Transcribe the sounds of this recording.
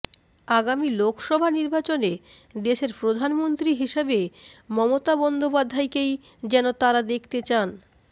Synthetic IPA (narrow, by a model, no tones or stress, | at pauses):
aɡamilokʰʃɔbʱaniɾbat͡ɕone | d̪eʃeɾpɾod̪ʱanmont̪ɾiɦiʃebemɔmot̪abɔnd̪opad̪ʱːajkej | d͡ʑɛnot̪aɾad̪ekʰt̪et͡ɕan